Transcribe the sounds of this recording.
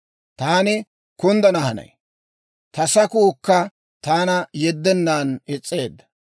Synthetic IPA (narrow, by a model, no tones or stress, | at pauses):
t̪aːnɪ | kʊnd̪ɐnɐhɐnɐ̰j | t̪ɐsɐkuːkːɐ | t̪aːnɐjɛd̪ːɛnːaːnɪt͡sʼːe̞ːd̪ːɐ̥